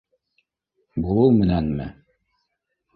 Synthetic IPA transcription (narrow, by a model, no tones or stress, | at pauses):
bulˠɤwmɘ̆nænmɘ̰